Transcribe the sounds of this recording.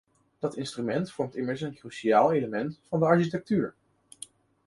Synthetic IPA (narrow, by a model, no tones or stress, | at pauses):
d̥ɑtɪnstrymɛntfɔɹmtɪməɹsənkryʃijaːlˠejləmɛntfɑndəɑɹʃitɛk̚tyːɹ